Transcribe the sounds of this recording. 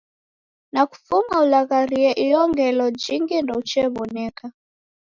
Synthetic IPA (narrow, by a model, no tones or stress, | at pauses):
naku̥fumaulaɣaɾiɛʔijɔŋɡɛlɔd͡ʒiŋɡindɔut͡ʃɛβɔnɛka